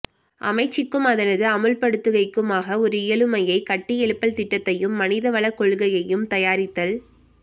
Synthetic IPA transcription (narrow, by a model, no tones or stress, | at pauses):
ʔɐ̰mɐɪt͡ʃːɪkːɯmɐðɐɾɐðɯɐmɯlpɐɽɯt̪ːɯɣɐɪkːɯmaːɣɐɔɾɯɪjɐɭɯmɐjɐɪkɐʈːɪɛɭɯpːɐlt̪ɪʈːɐt̪ːɐjɯmːɐnɪðɐʋɐɭɐkːɔɭɣɐjɐjɯmt̪ɐjaːɾɪt̪ːɐl